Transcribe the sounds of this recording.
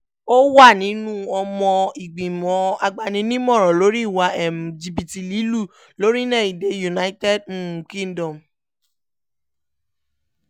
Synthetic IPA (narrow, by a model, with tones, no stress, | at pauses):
o˦wa˦˨nĩ˨˦nũ˦ɔ˧mɔ̃˧i˨ɡ͡bĩ˨mɔ̃˨˦a˧ɡ͡ba˧˨nĩ˧nĩ˦mɔ̃˦˨ɾ̃ɔ̃˨lo˨˦ɾi˦˨wa˧ɛ˨m˨d͡ʒi˧bi˨ti˨li˨˦lu˦˨ | lo˨˦ɾi˦nɛ̃˦˨i˨de˨˦ju˨na˨˦i˦tɛ˦˨dkĩ˦n˨dɔ̃˨m